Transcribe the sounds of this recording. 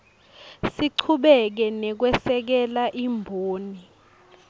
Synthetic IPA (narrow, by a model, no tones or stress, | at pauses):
siǀʰuɓɛk̬ɛnɛk̬wɛsɛk̬ɛlaʔimbʱoːni